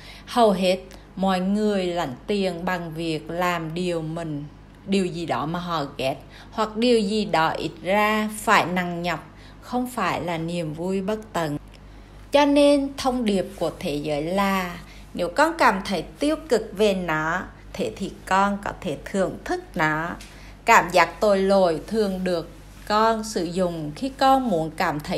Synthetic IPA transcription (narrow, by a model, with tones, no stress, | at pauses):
hə˨˩wɦe˦˥t̚ | mɔ̰˧˨˦jŋɨ˨˩əjla̰˧˦jŋ̟t̪i˨˩ənɓa˨˩ŋvi˨˩ək̚laː˨˩mɗi˨˩əwmï˨˩ŋ̟ | ɗi˨˩əwzi˨˩ɗɔ˨˦maː˨˩ɦɔ̰˧˨ɣɛ˦˥t̚ | hwa˨˩k̚ɗi˨˩əwzi˨˩ɗɔ˨˦ʔḭ˦˥t̚zaː˧faː˧˩jna˧˩ŋɲə˨˩p̚ | xə˧wŋ͡mfaː˧˩jlaː˨˩ni˨˩əmvu˧jɓə˦˥t̚t̪ə˧˩n | t͡ɕɔ˧ne˧nt̪ʰə˧wŋ͡mɗi˨˩əp̚ku˧˩ət̪ʰe˨˦zəː˨˦jlaː˨˩ | ne˨˦wkɔ˧nkaː˧˩mt̪ʰə˨˦jt̪i˦˧˥əwkɨ˨˩k̚ve˨˩nɔ˨˦ | t̪ʰe˧˦t̪ʰi˨˩kɔ˧nkɔ˨˦t̪ʰe˧˩t̪ʰɨ˨˩əŋt̪ʰɨ˦˥k̚nɔ˨˦ | kaː˧˩mzaː˨˦˥k̚t̪o˨˩jlo˨˩jt̪ʰɨ˨˩əŋɗɨ˨˩əkː | ɔ˧nsɨ̰˧˨zʊ̰˨ŋ͡mxi˧kɔ˧nmu˨˦ənkaː˧˩mt̪ʰə˨˦